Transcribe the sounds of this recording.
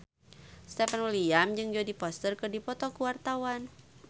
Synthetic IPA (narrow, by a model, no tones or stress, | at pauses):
st̪ɛfanwiliamd͡ʒɨŋd͡ʒodipɔst̪ərkɨrdipɔt̪ɔkuwart̪awan